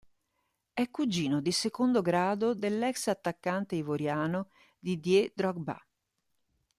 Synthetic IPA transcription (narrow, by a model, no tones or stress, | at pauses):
ɛkːud͡ʒiːnod̪isekond̪oɡɾaːd̪od̪elːɛksat̪ːakːant̪eivoɾjaːno | d̪id̪jed̪ɾɔɡ̚ba̰